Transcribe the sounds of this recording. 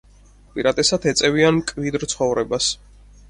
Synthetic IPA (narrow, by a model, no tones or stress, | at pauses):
pʼiɾat̪ʼɛsat̪ʰɛt̪sʼɛviankʼvid̪ɾt̪sʰχɔvɾɛbas